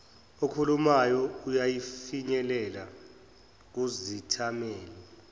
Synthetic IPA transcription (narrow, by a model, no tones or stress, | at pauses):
okʰulumajɔujajifiɲɛlɛla | k̬uzitʰamɛːli